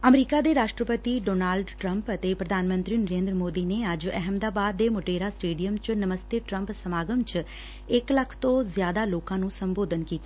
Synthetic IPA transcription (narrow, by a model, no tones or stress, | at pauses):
əmɾiːkaːd̪eːɾaːʃʈɾəpət̪iːɖoːnaːlɖʈɾəmpət̪eːpɾəd̪ʱaːnmə̃nt̪ɾiːnəɾẽːnd̪ɾəmoːd̪iːneːəd͡ʒɛɦəmd̪aːbaːd̪ːeːmʊʈeːɾaːsʈeːɖijəmt͡ʃnəməst̪eːʈɾəmpsəmaːɡəmt͡ʃ | ɪkləkʰt̪õːzɪjaːd̪aːloːkãːnũːsəmboːd̪ʱənkiːt̪aː